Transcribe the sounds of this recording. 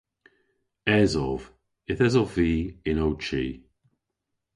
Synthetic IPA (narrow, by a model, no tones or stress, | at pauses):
ɛzɔv | ɪθɛzɔvviːɪnowt͡ʃḭː